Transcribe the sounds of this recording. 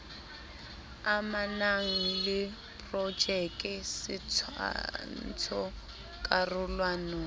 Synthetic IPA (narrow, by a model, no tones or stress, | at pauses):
amanaŋ̩lɪ | pʼrɔd͡ʒɛkʼɪsɪt͡sʰa̰n̩t͡sʰɔ | kʼarʊlwanɔ